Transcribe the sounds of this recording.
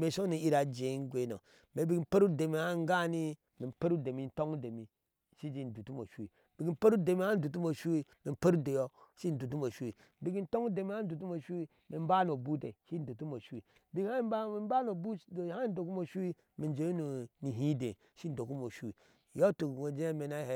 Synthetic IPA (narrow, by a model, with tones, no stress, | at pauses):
me˨ʃo˦ni˨i˦ɾa˨d͡ʒe˨˦ŋ˦ɡʷe˦no̰˨ | me˨bi˨ɡm̩˦pe˦ɾu˦de˨mi˨a˦ŋ˦ɡa˦ni˦ | mi˨m˨pe˦ɾu˦de˨mi˨˦n̩˦to˦ŋu˦de˨mi˨ | ʃi˦d͡ʒi˦n̩˨du˨tu˦mo˨ʃu˦wi˨ | bi˨ɡi˦m̩˦pe˦ɾu˦de˨mi˦a˦n̩˦du˨t̬u˦mo˨ʃu˦wi˦me˨m˨pe˦ɾu˦de˨jo˦ʃi˦n̩˨du˨tu˦mo˨ʃu˦i˨ | bi˨ɡi˦n̩˦to˦ŋu˦de˨mi˦a˦n̩˦du˨tu˦mo˨ʃu˦wi˦ | me˨m˦ba˦n˨o˨bu˦te˨ʃi˦n̩˦du˨tu˦mo˨ʃu˦i˨bi˦ɡa˦i˨m˦ba˦n˦o˨bu˦˨ha˦n˦do˨k̬u˦mo˨ʃu˦wi˦ | me˨nd͡ʒe˨˦nu˨ni˨ɦi˦de˨ | ʃi˦n̩˨do˨ku˦mo˨ʃu˦i˨ | jo˦tu˨ŋo˨d͡ʒe˦e˦me˨na˦he˦